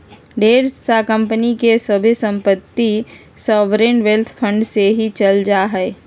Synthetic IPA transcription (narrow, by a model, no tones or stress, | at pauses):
ɖeːɾsakə̃mpənikesəbʱisə̃mpət̪ːi | sɔːʋɾenʋelt̪ʰpʰə̃ɳɖseɦit͡ʃɐld͡ʒaɦɛː